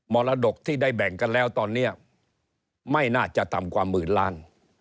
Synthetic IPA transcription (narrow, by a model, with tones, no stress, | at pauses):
mɔː˧laː˧do˨˩k̚t̪ʰiː˥˩daː˥˩jbɛ˨˩ŋka˧nlɛː˦˥wt̪ɔː˧nːi˦˥˩ɐ | ma˥˩jnaː˥˩t͡ɕa˨˩ʔt̪a˨˩mkwaː˧mːɯː˩nla̰ː˦˥n